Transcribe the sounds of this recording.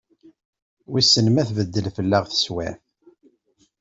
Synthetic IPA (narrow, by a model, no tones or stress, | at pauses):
wisənmæθvəd̪ːəlfəlːæʁθə̥swæ